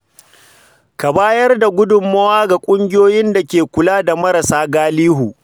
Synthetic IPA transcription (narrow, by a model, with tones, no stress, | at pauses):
ka˨baː˦jɐ˦rda˨ɡʷʊ˦dʊ˨mːɐ˦waː˦ɡa˨kʷʼʊ˦ŋɡʲɪ˦joː˦jɪ˦nda˨kʲeː˨kʷʊ˨laː˦da˨mɐ˦ɾɐ˨saː˦ɡaː˦liː˦ɦuː˨